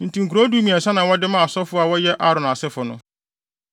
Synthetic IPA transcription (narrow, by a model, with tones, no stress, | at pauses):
n̩˨tĩ˨ŋ̩˨ku˨ɾo˦du˦mĩ˨ɛ˨sa˦nã˨wɔ˦dɪ˦mãː˦˨sɔ˦fʊ˦a˨wɔ˦jɛ˦ʔa˦ɾɔ̃˨na˨sɪ˦fʊ˨nʊ̰̃˦